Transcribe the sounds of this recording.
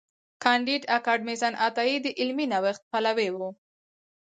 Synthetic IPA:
kʰɑɳɖiɖakɑɖ̚mesanʔat̪ɑid̪əʔɪlminawaxt̪̚palawewu

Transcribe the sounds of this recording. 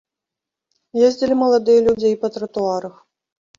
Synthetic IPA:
jezʲd͡zʲilʲimɐlˠad̪ɨjɐlʲud͡zʲejpɐt̪ɾɐt̪uaɾɐx

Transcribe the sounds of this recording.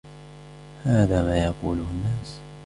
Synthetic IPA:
haːðaːmaːjɑquːlʊhʊnːaːs

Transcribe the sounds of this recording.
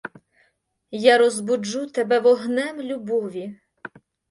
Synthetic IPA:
jaɾɔzbʊd͡ʒut̪ɛbɛʋɔɦnɛmlʲubɔʋʲi

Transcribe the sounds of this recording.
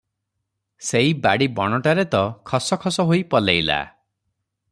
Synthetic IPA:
seɦibaɽibɔɽ̃ɔʈaɾet̪ɔkʰɔsɔkʰɔsɔɦojpɔlejla̰

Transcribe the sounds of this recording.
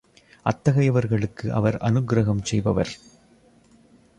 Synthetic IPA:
ʔɐt̪ːɐɣɐjɐʋɐɾɣɐɭɯkːɯʔɐ̰ʋɐɾɐ̰nɯɡɾɐɣɐmsɛjbɐʋɐ̰ɾ

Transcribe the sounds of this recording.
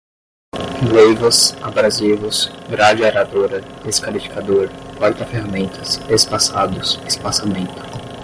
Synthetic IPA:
lejvɐsabɾazivʊsɡɾad͡ʒɪaɾad̪oɾɐd̪̥eskalifi̥kad̪oɾkwaɾt̪ɐfehamẽnt̪ʰɐsespasad̪ʊsespasamẽnt̪ʊ̥

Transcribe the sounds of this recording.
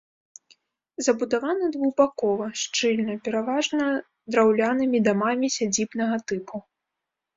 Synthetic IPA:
zɐbud̪avanɐd̪vuɣbakɔvɐʂt͡ʂɨlʲnɐpʲɛɾavaʐnɐ | d̪ɾawlʲanɨmʲid̪amamʲisʲad͡zʲibnɐɣɐt̪ɨpʰu

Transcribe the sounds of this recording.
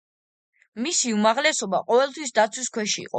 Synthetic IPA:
misiumaʁlɛsɔbaqʼɔvɛlˠt̪ʰwisd̪at̪sʰwiskʰwɛʃḭːqʼɔ̰

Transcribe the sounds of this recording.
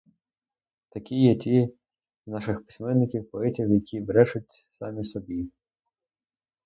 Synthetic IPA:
t̪ɐkʲijɛtʲi | znɑʃɪxpɪ̥sʲmɛnːɪkʲiwpɔɛtʲiwjɐkʲʰiʋɾɛt͡ʃʊtʲsɑ̰mʲisɔbʲi

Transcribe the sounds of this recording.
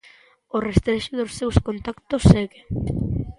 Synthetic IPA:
orest̪ɾeʃʊðʊsːewskont̪akt̪osːeɣe

